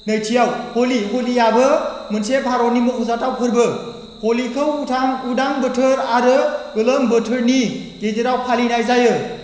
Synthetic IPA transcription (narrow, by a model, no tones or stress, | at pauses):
nɯjtʰijawholiɦolijabɯmɯnsepʰaɾonimɯkʰɔzatawkʰɯɾbɯ | holikʰɯwutʰaŋudaŋbətʰɯɾaɾɯɯləmbətʰɯɾniɡ̥ezeɾawpʰalinajzajɯ